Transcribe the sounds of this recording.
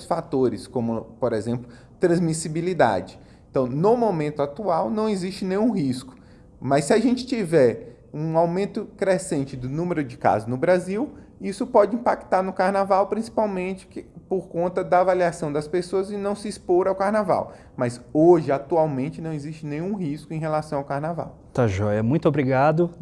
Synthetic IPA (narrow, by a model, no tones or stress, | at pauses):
sfat̪oɾɪskõmʊpoɾezẽmplʊ | t̪ɾɐ̃zmisibilid̪a̰d͡ʒɪ | ẽt̪ɐ̃w̃nʊmomẽnt̪ʊat̪uawnɐ̃w̃eziʃt͡ʃɪnẽj̃ũɦiskʊ̥ | mɐsːiaʒẽnt͡ʃɪ̥t͡ʃivɛɾ | ũawmẽnt̪ʊkɾesẽnt͡ʃɪd̪ʊnũmeɾʊd͡ʒɪka̰zʊznʊbɾaziw | isʊpɔd͡ʒɪĩpakt̪aɾnʊkaɾnavawpɾĩsi̥pawmẽt͡ʃɪ̥kpoɾkõnt̪ɐd̪ɐːvaliasɐ̃w̃d̪ɐspesoɐzɪnɐ̃w̃sɪispoɾawkaɾnava̰w | mɐzoʒɪat̪uawmẽnt͡ʃɪnɐ̃w̃eziʃt͡ʃɪnẽj̃ũɦiskʊẽj̃ɦelasɐ̃w̃awkaɾnava̰w | t̪aʒɔjɐmũj̃t̪obɾiɡad̪ʊ